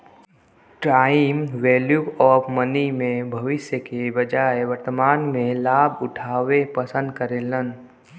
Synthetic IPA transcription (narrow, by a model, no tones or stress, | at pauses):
ʈɾaːimʋeːljuɔːfmənimẽbʱɐʋɪʃjəkebəd͡ʒaːeʋəɾt̪əmaːnmẽlaːbʱʊʈʰaːʋepəsə̃nd̪̚kəɾeːlən